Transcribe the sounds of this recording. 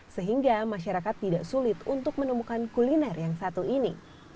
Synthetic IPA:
səɦiŋɡamaʃaɾakat̪ːidaʔsulɪt̪unt̪ʊk̚mənumukankulinɛrjaŋsat̪uinḭ

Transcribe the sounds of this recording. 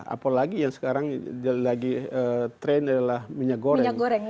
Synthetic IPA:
a̰palaɡijaŋsə̥kaɾaŋd͡ʒalaɡiət̪ɾɛnadalahmiɲakɡoɾɾɛɲaŋɡoɾɛŋ

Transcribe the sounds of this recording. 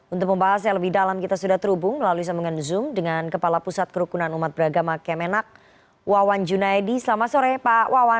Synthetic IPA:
unt̪ʊk̚məmbaɦasaləbɪhdalamkit̪asudaht̪əɾubʊŋməlaluis̬ambuŋanzʊmdəŋankəpalapusat̪̚kəɾukunanumat̪̚bəɾaɡamakɛmɛnak̚ | wawand͡ʒunaɛdisəlamasoɾɛpawawa

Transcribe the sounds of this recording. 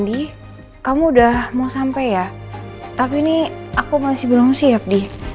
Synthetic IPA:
di | kamuːdahmausampajat̪apiniakumasɪhbəlaŋusiap̚di

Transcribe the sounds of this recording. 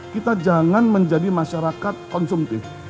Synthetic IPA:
kit̪ad͡ʒaŋanməɲd͡ʒadimaʃaɾakat̪̚kɔnsumt̪ɪf

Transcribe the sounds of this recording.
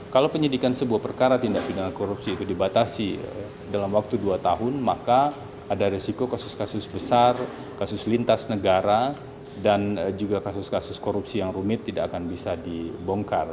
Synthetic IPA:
kalawpəɲidikansəbuahpərkaɾat̪indaʔpinalkoɾupsiːt̪udibat̪asḭ | dalamwak̚t̪uduat̪aɦʊnmakaː | daɾisikokasʊskasʊsbəsar | kasʊslint̪asnəɡaɾa | dand͡ʒuɡakasʊskasʊskoɾupsijaŋrumɪt̪ːidaʔakanbisadibɔŋkar

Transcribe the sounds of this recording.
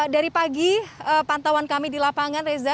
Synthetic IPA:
daɾipaɡiəpant̪awankamidilapaŋanreza

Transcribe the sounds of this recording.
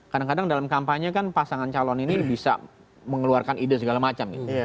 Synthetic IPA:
kadaŋkadaŋdalamkampaɲakanpasaŋant͡ʃalɔninibisa̰ | məŋəluarkanidas̬əɡalamat͡ʃamɡi

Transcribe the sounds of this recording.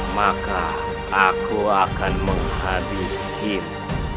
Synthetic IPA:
makaː | kʰuakanməŋhadis | in

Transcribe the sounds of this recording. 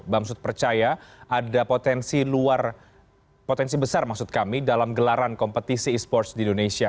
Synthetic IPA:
bamsʊt̪̚pərt͡ʃajaʔadapot̪ɛnsiluar | pot̪ɛnsibəsarmaksʊt̪̚kamidalamɡəlaɾankɔmpət̪isiːspɔrt̪sdindonesia

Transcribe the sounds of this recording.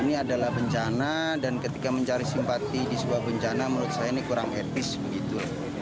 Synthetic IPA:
iniadalahbəɲt͡ʃanadankət̪ikaməɲt͡ʃaɾisimpat̪idisəbabəɲt͡ʃanaməɾuʊt̪̚sajainikuɾaŋɛt̪ɪsbəɡit̪ula

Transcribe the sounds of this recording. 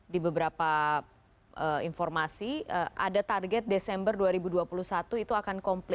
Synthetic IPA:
dibəbəɾapa | ʔəinfɔrmasiəʔa̰dat̪arɡɛt̪̚desɛmbərduaɾibuduapulusat̪uit̪uakankɔmpl

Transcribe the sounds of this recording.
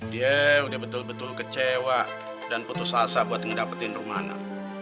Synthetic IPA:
diaudahbət̪ʊlbət̪ʊlkət͡ʃewaʔ | danput̪ʊsasabuat̪̚əŋdapat̪ɪnruma̰na̰

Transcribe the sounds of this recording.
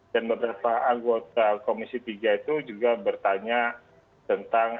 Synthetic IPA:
danbəbəɾapaaŋɡot̪akomisit̪iɡait̪ud͡ʒuɡabərt̪aɲa | t̪ənt̪aŋ

